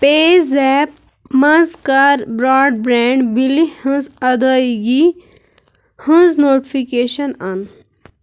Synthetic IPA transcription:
peːzɛːp | mɐzkɐɾbɾaːɖ̚bɾɛ̃ːɳɖbilihə̃zɐd̪əiɡi | hə̃znoːʈipʰikeːʃənɐn

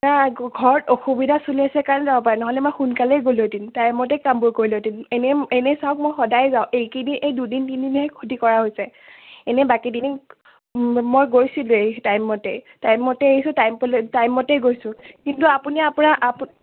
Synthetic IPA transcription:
naɡʱɔɹɔtoxubidʱasuliasɛkaɹnɛzabɔpaɹɛnɔɦɔlɛmojxunkalɛjɡolodintajmɔtɛjkambojkoɹilodinenɛenɛsawk̚mojxɔdajɛzaʊ̃ʔejkiniʔejdudintindinɦɛkʰudikɔɹaɦojsɛɛnɛbakidini | mojɡojsiletajmːɔtej | tajmːɔtɛeisʊ̃tajmpɔlɛtajmːɔtejɡojsʊ̃kintuapuniapunaʔap

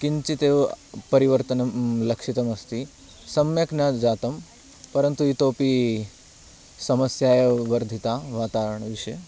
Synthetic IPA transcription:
kint͡ʃit̪epɐɾiʋəɾt̪ənmləkʂit̪əmɐst̪i | sɐmjəknad͡ʒat̪əm | pɐɾənt̪uit̪opi | sɐməsjajeʋəɾd̪ʱit̪aʋaːt̪aɾəɳ̃ʋɪʃe

